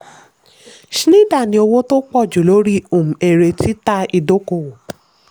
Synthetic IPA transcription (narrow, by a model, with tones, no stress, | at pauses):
ʃi˦nĩ˦˨da˦˨nĩ˧˦o˧wo˦to˦k͡pɔ˦˨d͡ʒu˨lo˨˦ɾi˦o˦˨mũ˨e˨ɾe˧ti˦ta˦i˧do˦ko˦˨wo˨